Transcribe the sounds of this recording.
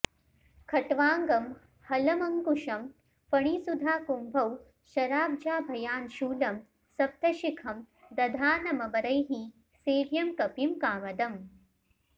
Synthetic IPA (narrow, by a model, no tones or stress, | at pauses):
kʰɐʈʋaːŋɡɐm | hɐlɐmɐŋkuʃɐm | fɐɳ̃iːsud̪ʱaːkumbʱɐw | ʃɐɾaːb̚d͡ʒaːbʱɐjaːnʃuːlɐm | sɐp̚t̪ɐʃikʰɐm | d̪ɐd̪ʱaːnɐmɐbɐɾɐjɦi | seːʋjɐmkɐpimkaːmɐd̪ɐm